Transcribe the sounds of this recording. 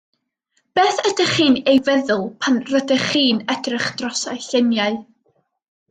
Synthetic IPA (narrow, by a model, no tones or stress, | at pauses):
b̥eːθədəχiːnejvɛðʊlˠpʰanrədəχiːnɛdrɪχd̥rɔsa̰ɨɬɪnjaɨ